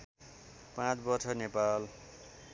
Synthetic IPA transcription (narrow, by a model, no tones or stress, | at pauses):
pãt͡sbʌrt͡sʰʌnepal